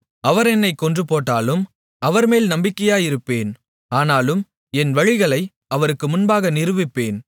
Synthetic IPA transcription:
ɐʋɐɾɛnːɐɪkːɔndrɯpoːʈːaːlɯm | ɐʋɐɾmeːlnɐmbɪkːɐjaːjɪɾɯpːeːn | aːnaːlɯm | ɛnʋɐɻɪɣɐɭɐɪ | ɐʋɐɾɯkːɯmʊnbaːɣɐnɪɾɯʋɪpːeːn

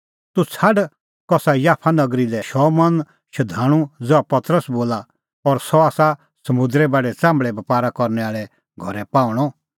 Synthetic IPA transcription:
t̪ut͡sʰaɖ | kɔsajaːpʰanɐɡɾilɛʃɔmɐn | ʃɐd̪ʱaːɽ̃ũd͡zoapɐt̪ɾəsboːla | ɔɾsɔaːsa | sɐmʊd̪ɾɛbaːɖɛt͡sãːmbɭɛbɐpaːɾakɔɾnɛaːɭɛ | ɡʱɔɾɛpãːʊɽ̃ɔ

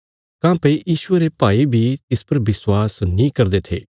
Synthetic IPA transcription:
kãːpɐijiːʃʊeɾepaːibʱit̪ɪspɐɾbɪswaːsnĩkɐɾd̪et̪ʰḛː

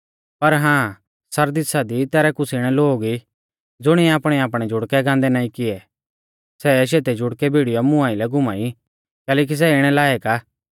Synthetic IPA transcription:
pɐɾɦãː | sɐɾd̪ɪsad̪it̪ɛːɾɛkʊsiɽ̃ɛloːɡi | d͡zʊɽ̃iaːpɽ̃ɛaːpɽ̃ɛd͡ʒʱʊɽkɛɡãːnd̪ɛnãːĩkɪɛ | sɛʃ̬eːt̪ed͡ʒʱʊɽkɛbʱiːɽijɔmʊ̃ãːilɛɡʊmaːi | kɛːleːk̬is̬ɛɪɽ̃ɛlaːɛkaː

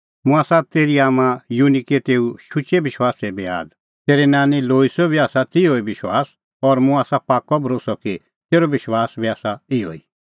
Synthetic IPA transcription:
mũaːsat̪eːɾiaːmãjuniket̪eːuʃʊt͡ʃebɪʃwaːsɛbea̰ːd̪ | t̪eːɾɛnaːniloːisɔbʱiaːsat̪ioːibɪʃwaːs | ɔːɾmũaːsapaːkɔbʱɾoːsɔki | t̪eːɾobɪʃwaːsbʱiaːsaɪo̰ːi

